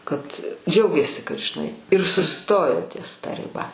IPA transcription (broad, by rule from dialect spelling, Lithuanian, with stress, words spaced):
ˈkɐt ˈd͡ʒʲɛʊɡʲeːsʲɪ kɐt ʒʲɪˈnɐɪ ɪr sʊˈstoːjoː tʲiɛs tɐ rʲɪˈbɐ